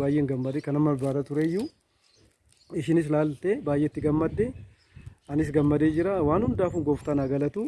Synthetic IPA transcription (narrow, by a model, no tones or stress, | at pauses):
aːjʔeːŋɡɐmːɐd̪ekɐnɐmːɐbbaːd̪ɐt̪ʊɾejːu | ɪʃɪnɪs̬laːlt̪eːbaːjːʔeːt̪ːɪɡɐmːɐd̪ːeː | ɐnɪs̬ɡɐmːɐd̪eːd͡ʒɪɾawaːnhʊnd̪aːfʊŋɡoːft̪ɐnaːɡɐlɐt̪uː